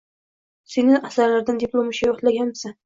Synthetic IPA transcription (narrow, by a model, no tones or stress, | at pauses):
senɪʔasaɾlaɾd̪and̪iplˠomɪʃajɒχt̪laɡʲanmɪsan